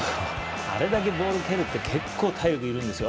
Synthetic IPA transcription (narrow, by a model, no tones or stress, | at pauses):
a̰ɾe̞d̪ak̬e̞bo̞ːɾɯ̟keɾɯ̟t̪ːe̞kʰe̞kʰːo̞ːt̪ʰaiokɯ̟iɾɯ̟̃nd̪e̞sɨjo